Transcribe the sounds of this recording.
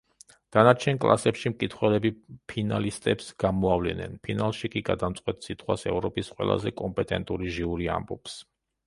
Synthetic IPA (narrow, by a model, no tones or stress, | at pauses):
d̪̥anat͡ʃʰɛnkʼlˠa̰sɛpʃimkʼit̪ʰχwɛlɛbipʰinalist̪ʼɛpsɡ̥amɔavlɛ̰nɛ̰npʰinalˠʃikʼiɡad̪amt̪sʼqʼwɛt̪ʰʼsit̪ʰχwasɛ̰vɾɔpʼisqʼwɛ̰lˠa̰zɛkʼɔmpʼɛt̪ʼɛnt̪ʼuɾiʒiuɾia̰mbɔps